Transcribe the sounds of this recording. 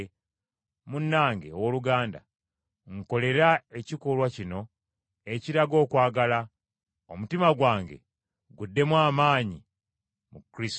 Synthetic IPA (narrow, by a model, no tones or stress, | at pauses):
munːaːŋɡe̞̰woluɡaːnda̰ | ŋko̞le̞ɾae̞cikolwacino̞ | e̞ciɾaɡo̞ːkwaːɡala | omutimaɡwaːŋɡe̞̰ | ɡudːe̞mwaːmaːɲi | mukɾis